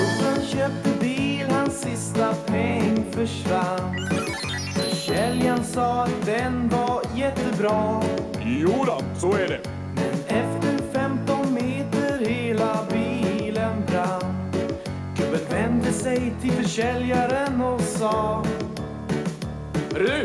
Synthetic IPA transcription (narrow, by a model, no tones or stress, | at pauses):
ɔsanɕøːp̚t̪əbiːlhansːɪst̪apʰɛŋːfœʂvand̪ | fœʂɛljansɑːat̪̚d̪ɛnvajɛt̪ːəbɾɑː | juːd̪ɔ | sɔæɖɛ | mɛnɛft̪əɾfɛmt̪ɔnmeːt̪əɾheːlabiːlənbɾan | kʰʉbənvɛnd̪əsɛjt̪ʰɪlfœɾʂɛljaɾənɔsɑː | ɾ